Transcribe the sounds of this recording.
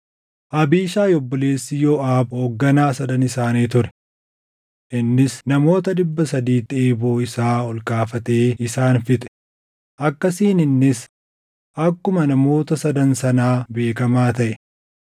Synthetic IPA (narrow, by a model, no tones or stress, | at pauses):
ʔɐbiːʃaːjɔbːɔleːsːɪjɔʔaːbhoːɡːɐnaːsɐd̪ɐnɪsaːniːt̪ʊɾɛ̥ | ʔɪnːɪsnɐmo̞ːt̪ɐᶑɪbːɐsɐd̪iːt̪ːɪeːbo̞ːɪsaːɔlkʼaːfɐt̪e̞ːɪsaːnfɪt̪ʼɛ̥ | ʔɐkːɐsiːnɪnːɪs | ʔɐkːʊmɐnɐmo̞ːt̪ɐsɐd̪ɐnsɐnaːbe̞ːkɐmaːt̪ɐʔɛ̥